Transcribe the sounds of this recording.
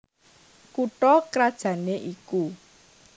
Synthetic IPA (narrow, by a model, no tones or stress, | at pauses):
kuʈɔkɾad̥ʒ̥ä̤neʔiku